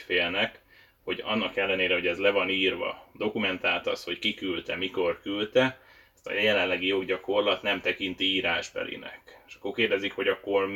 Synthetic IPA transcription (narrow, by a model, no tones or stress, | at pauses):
feːlnɛk | ho̞ɟɒ̰nːɒkɛlːɛneːɾɛɦo̞ɟɛzlɛvɒniːrvɒ̰d̪o̞kumɛnt̪aːlt̪ɒ̰sho̞ckikylt̪ɛmiko̞rkylt̪ɛ | st̪ɒ̰jjɛlɛnlɛɡijo̞ɡɟɒko̞rlɒt̪nɛmt̪ɛkint̪iiːɾaːʒbɛ̰lḭnɛ̰keʃɒ̥kːo̞rkeːrd̪ɛzikho̞ɟɒkːo̞r